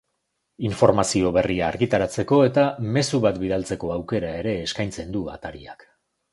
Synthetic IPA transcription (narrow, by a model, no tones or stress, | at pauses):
iɱfo̞ɾmasio̞βe̞riaːɾɣit̪aɾat͡se̞ko̞e̞t̪ame̞suβat̪biðalt͡se̞ko̞awke̞ɾae̞ɾe̞ːskajnt͡se̞nd̪ua̰t̪aɾiak